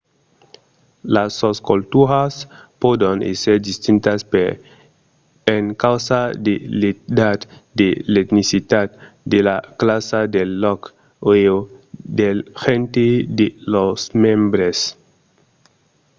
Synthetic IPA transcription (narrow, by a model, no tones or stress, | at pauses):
lasoskolt̪uɾaspod̪onḛseɾd̪ist̪int̪aspeɾ | eŋkawsad̪eled̪ad̪d̪elet̪nisit̪at̪d̪elaklasad̪elːɔk | eod̪elxent̪ed̪elosmẽmbɾes